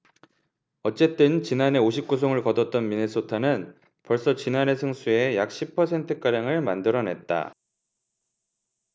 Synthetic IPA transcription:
ʌt͡ɕ͈e̞t͈ɯnt͡ɕinane̞oɕʰip̚k͈us̬ʰoŋɯɭkʌdʌt̚t͈ʌnmine̞s͈otʰanɯn | pʌɭs͈ʌt͡ɕinane̞sʰɯŋs͈ʰue̞jak̚ɕ͈ʰipʰʌsʰe̞ntʰɯk͈aɾjaŋɯɭmandɯɾʌne̞t̚t͈a̰

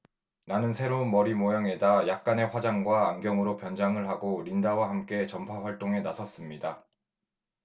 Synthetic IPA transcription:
nanɯnsʰe̞ɾonmʌɾimojaŋe̞dajak̚k͈ane̞ɸwad͡ʑaŋɡwaːŋɡjʌŋɯɾopjʌnd͡ʑaŋɯɭɦaɡoɾindawahamk͈e̞t͡ɕʌmpʰaɸwaɭt͈oŋe̞nasʰʌs͈ɯmɲida

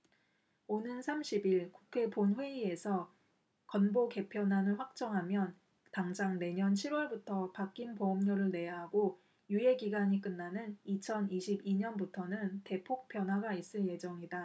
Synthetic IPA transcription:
onɯnsʰamɕʰibiɭkukʰe̞ponɸwe̞ie̞sʰʌ | kʌnboke̞pʰjʌnanɯɭɸwak̚t͡ɕ͈ʌŋɦamjʌn | taŋd͡ʑaŋne̞ɲʌnt͡ɕʰiɾwʌɭbutʰʌpak͈inpoʌmɲoɾɯɭne̞jaɦaɡo | jue̞ɡiɡaɲik͈ɯnːanɯnit͡ɕʰʌniɕʰibiɲʌnbutʰʌnɯnte̞pʰok̚p͈ʰjʌnɦwaɡais͈ɯɭje̞d͡ʑʌŋida

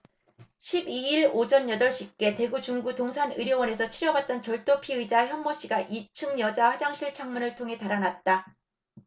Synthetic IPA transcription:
ɕʰibiiɭod͡ʑʌnjʌdʌɭɕ͈ip̚k͈e̞te̞ɡut͡ɕuŋɡutoŋsʰanɯɾjʌwʌne̞sʰʌt͡ɕʰiɾjʌbat̚t͈ʌnt͡ɕʌɭt͈opʰiɯid͡ʑaçjʌnmːoɕ͈iɡaʔit͡ɕʰɯŋɲjʌd͡ʑahad͡ʑaŋɕʰiɭt͡ɕʰaŋmunɯɭtʰoŋɦe̞taɾanat̚t͈a

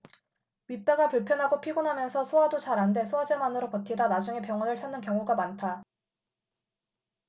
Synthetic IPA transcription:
ɥip͈eɡapuɭpʰjʌnɦaɡopʰiɡunɦamjʌnsʰʌsʰoadot͡ɕaɾɦande̞sʰoad͡ʑemanɯɾopʌtʰidanad͡ʑuŋe̞pjʌŋʌnɯɭsʰanːɯnkjʌŋuɡamantʰa

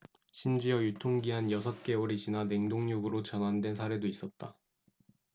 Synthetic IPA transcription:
ɕʰimd͡ʑiʌjutʰoŋɡiɦanjʌsʰʌt̚k͈e̞oɾid͡ʑʰinane̞ŋdoŋɲuɡɯɾot͡ɕʌnandwe̞nsʰaɾe̞dois͈ʌt̚t͈a

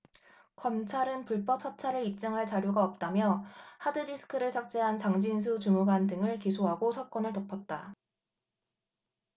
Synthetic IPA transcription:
kʌmt͡ɕʰaɾɯnpuɭp͈ʌp̚sʰʌt͡ɕʰaɾɯɭip̚t͡ɕ͈ʌŋɦaɭt͡ɕaɾjoɡaʌp̚t͈amjʌhadɯdisʰɯ̥kʰɯɾɯɭsʰak̚t͡ɕ͈e̞ɦant͡ɕaŋd͡ʑins̬ʰut͡ɕumuɡandɯŋɯɭkisʰoɦaɡosʰak͈ʌnɯɭtʌpʰʌt̚t͈a

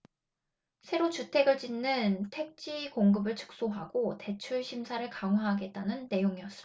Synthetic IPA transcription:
sʰe̞ɾot͡ɕutʰe̞ɡɯɭt͡ɕinːɯntʰe̞k̚t͡ɕ͈ʰikoŋɡɯbɯɭt͡ɕʰɯ̥k̚s͈oɦaɡote̞t͡ɕʰuɭɕʰimsʰaɾɯɭkaŋɦwaɦaɡe̞t̚t͈anɯnːe̞joŋiʌs͈ɯm

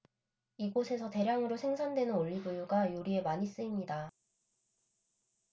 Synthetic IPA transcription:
iɡosʰe̞sʰʌte̞ɾjaŋɯɾosʰe̞ŋsʰandwe̞nɯnoʎːibjujuɡajoɾie̞maɲis͈ɯimɲida

